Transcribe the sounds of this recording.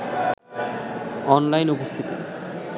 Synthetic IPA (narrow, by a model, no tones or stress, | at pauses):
ɔnlajnupost̪ʰit̪o̰